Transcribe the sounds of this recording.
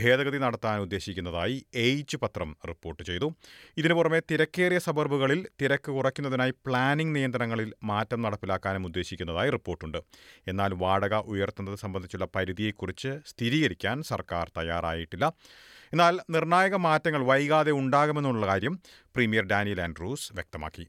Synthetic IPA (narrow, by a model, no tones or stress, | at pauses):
bʱe̞ːðɐɣɐðinɐɽɐt̪ːaːnud̪ːe̞ːɕikʲːunːɐðaːjiejt͡ɕːɨpɐt̪rɐmripːo̞ːrʈːɨt͡ɕe̞jt̪uiðinɨpurɐme̞t̪iɾɐkːe̞ːrjɐsɐbɐrbuɣɐɭilt̪iɾɐkːɨkurɐkʲːunːɐðinaːjipɭaːniŋɡnijɐnd̪ɾɐɾɐŋːɐɭilmaːtːɐmnɐɽɐpːilaːkːaːnɐmud̪ːeːɕikʲːunːɐðaːjiripːo̞ːrʈːuɳɖɨe̞nːaːlʋaːɽɐɣɐʔujɐrt̪unːɐðɨsɐmbɐnd̪it͡ɕːuɭːɐpɐɾiðije̞kːurit͡ɕːɨst̪ʰiɾiːɣɐɾikʲːaːnsɐ̰rkaːrt̪ɐjaːra̰ːjiʈːilːɐ | e̞nːaːlnirɳaːjɐɣɐmaːtːɐŋːɐɭʋɐjɣaːðe̞uɳɖaːɣumenːuɭːuɭːɐkaːɾjɐm | primijɐrɖaːnijɐlenɖruːsʋjek̚t̪ɐma̰ːkːi